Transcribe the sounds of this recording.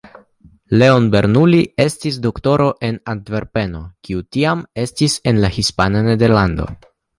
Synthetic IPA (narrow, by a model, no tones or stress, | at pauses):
le̞o̞nbe̞ɾnulie̞stisdo̞kto̞ɾo̞ʔe̞nantve̞ɾpe̞no̞kiutiame̞stise̞nlahispanane̞de̞ɾlando̞̰